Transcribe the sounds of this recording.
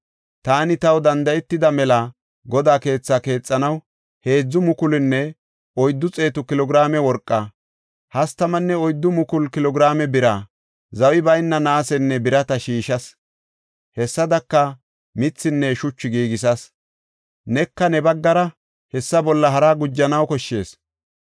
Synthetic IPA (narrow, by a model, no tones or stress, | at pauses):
t̪aːnɪt̪ɐwd̪ɐnd̪ɐɛt̪ːɪd̪ɐmɛla | ɡɔd̪aːke̞ːt͡sːaːke̞ːt͡sʼːɐnɐw | he̞ːd͡zːʊmʊkʊlɪnːɛ | ɔjd̪ːʊt͡sʼe̞ːt̪ʊkɪlɔɡɪɾaːmɛwɔɾkʼːa | hɐst̪ɐmɐnːɛɔjd̪ːʊmʊkʊlkɪlɔɡɪɾaːmɛbɪɾaː | zɐwɪbɐjnːɐnaːsɛnːɛbɪɾɐt̪ɐʃiːʃɐs | hɛsːɐd̪ɐkːɐ | mɪt͡sːɪnːɛʃʊt͡ʃːʊɡiːɡɪsɐs | nɛkːɐnɛbɐɡːɐɾɐ | hɛsːɐbɔlːɐɦɐɾaːɡʊd͡ʒːɐnɐwkɔʃːe̞ːs